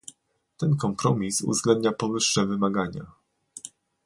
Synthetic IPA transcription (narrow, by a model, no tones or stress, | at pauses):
t̪ɛnkɔmpɾɔmʲisṵvzɡlɛnd̪ɲapɔvɘʂːɛvɘmaɡaɲa̰